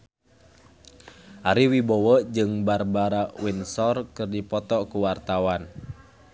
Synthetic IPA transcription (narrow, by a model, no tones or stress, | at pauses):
ʔaɾiwibɔwɔd͡ʒɨŋbarbaɾaʔwinsɔrkɨrdipɔt̪ɔkuwart̪awan